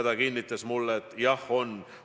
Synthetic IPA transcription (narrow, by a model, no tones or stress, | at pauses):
d̪̥ɑkinʲːit̪ːˑɑsmulːeet̪ːˑjɑho̞n